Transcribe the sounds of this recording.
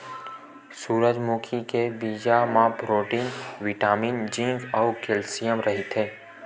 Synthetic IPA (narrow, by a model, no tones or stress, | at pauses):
suːɾəd͡ʒmuːkʰikebiːd͡ʒamãbɾoːʈiːnʋɪʈaːmiːnd͡ʒĩŋɡɔːkelsijəmɾɐɦit̪ɦẽː